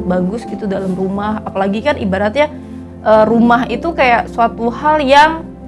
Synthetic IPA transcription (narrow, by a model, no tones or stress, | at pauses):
baɡʊsɡit̪udalamrumahapalaɡikanʔḭbaɾat̪̚ɲa | ʔərumaɦit̪ukajaʔsuat̪uhaljaŋ